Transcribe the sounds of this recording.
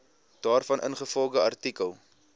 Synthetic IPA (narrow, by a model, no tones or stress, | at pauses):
d̥ɑːrfɐnʔə̰nχəfɔlˠdəɐrtikəlˠ